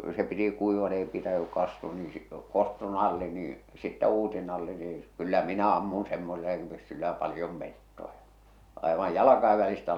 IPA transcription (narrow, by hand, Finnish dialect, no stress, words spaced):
se piti kuiʋɑt ei pitæny kɑstuɑ niː si kostu nɑlːi niːĩ sitːæ uːsi nɑlːi niː ĕĭ s̆ĭ kylːæ minæ ɑmːun semːoselːɑk̆ĭm̆ pysːylːæ pɑlĭjom metːojɑ ɑˑeʋɑj jɑlɑkɑiʋ ʋælistæ